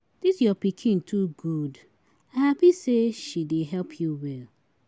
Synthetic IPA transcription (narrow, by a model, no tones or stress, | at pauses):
d̥isjɔpikʰĩntʰuɡud | aɪhapiseʃideɦɛlpʰjuwɛl